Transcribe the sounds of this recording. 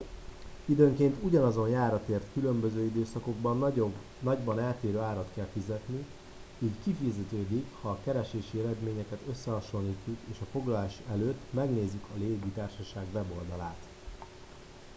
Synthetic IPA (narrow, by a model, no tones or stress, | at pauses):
id̪øːŋkeːnt̪uɟɒnɒzo̞njaːɾɒt̪eːrt̪kylø̞mbøzøːid̪øːsɒko̞ɡbɒn | nɒɟbɒnaːt̪eːɾøːaːɾɒt̪kɛlfizɛt̪ni | iːckifizɛt̪øːd̪ikhɒːkɛɾɛʃeːʃiɛɾɛd̪meːɲɛkɛt̪ø̞sːɛɦɒʃo̞niːcːukeːʃɒfo̞ɡlɒlaːʃɛløːt̪ːmɛɡneːzykʰɒleːɡit̪aːrʃɒʃaːɡʋɛbo̞ld̪ɒlaːt̪